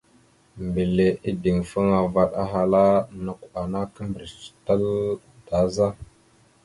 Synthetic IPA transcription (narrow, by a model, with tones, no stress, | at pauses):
mbi˨le˨ʔi˦di˨ŋfə˦ŋa˨va˦ɗa̰˦ɦa˨la˦na˨ka˨na˦kə˦mbɾi˨t͡ʃi̥˨ta˦l | d̥a˨˦za˦